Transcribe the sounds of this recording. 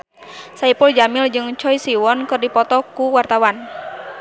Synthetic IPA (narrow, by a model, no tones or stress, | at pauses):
saipuld͡ʒamɪld͡ʒɨŋt͡ʃɔjsiwɔnkɨrdipɔt̪ɔkuwart̪awan